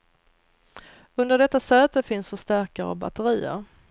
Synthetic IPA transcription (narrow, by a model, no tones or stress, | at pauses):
ɵnd̪əɖɛt̪ːasøːt̪əfɪnsfœʂt̪æɾkaɾɔ̰ba̰t̪əɾiːə̰ɾ